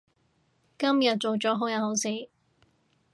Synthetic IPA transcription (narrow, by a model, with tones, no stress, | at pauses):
kɐ˥mjɐ˨t̚t͡so˨wt͡sɔː˨˥ɦo˨˥wjɐ˨˧who˨˧˥wsi˨˥